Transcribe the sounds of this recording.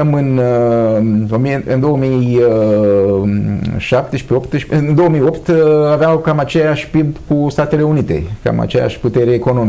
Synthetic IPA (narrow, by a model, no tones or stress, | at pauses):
mɨn | omiɨ̰nd̪o̞wəmi | ʃap̚t̪eʃpeo̞pt̪ʃɨnd̪o̞wəmijo̞pt̪aveawkamat͡ʃe̞jaʃʲpibkust̪at̪e̞le̞unit̪e̞̰ka̰ma̰t͡ʃeja̰ʃʲput̪eɾeːko̞no̞mi